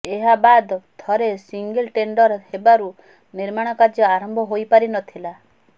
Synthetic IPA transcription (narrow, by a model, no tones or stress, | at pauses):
eɦabad̪ɔt̪ʰɔɾesiŋɡelʈeɳɖɔɾhebaɾu | niɾmaɽ̃ɔkad͡ʒɔaɾɔmbʱɔɦojpaɾinɔt̪ʰila